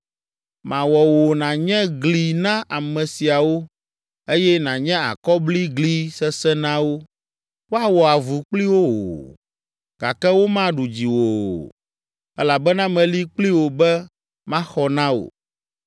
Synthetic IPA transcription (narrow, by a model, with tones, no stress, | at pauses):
mã˨wɔ˨wo˨nã˨ɲɛ̃˦ɡli˨nã˦ʔa˨mɛ̃˨si˨a˨wo˦ | e˦jɛ˦nã˨ɲɛ̃˦a̰˨kɔ˦bli˦ɡli˦sɛ˦sɛ˦nã˦wo˦ | wo˦a˨wɔ˨a˨vu˨k͡pli˦wo˦wo̰˨ | ɡa˨kɛ˦wo˦mã˦ɖu˨d͡ʑi˨wo˨ | ɛ˦la˨bɛ˦nã˦mɛ̃˨li˦k͡pli˦wo˨bɛ˦ | mã˦xɔ˨nã˦wo̰˨